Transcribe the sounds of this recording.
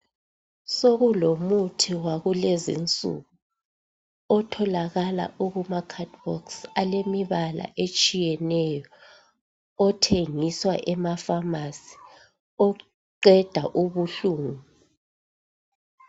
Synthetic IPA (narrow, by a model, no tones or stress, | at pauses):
soɣulomutʰiwaɣulezḭnt͡sʼṵɣu | ɔtʰɔlaɣala̰ʔuɣumakʰatbɔ̰ksalemiβala̰ʔet͡ʃʼijɛnɛjɔ | ɔtʰeŋiswa̰ʔɛmafamasi̥ | ɔ | ǃɛd̥ʱaʔuβuɬuːŋu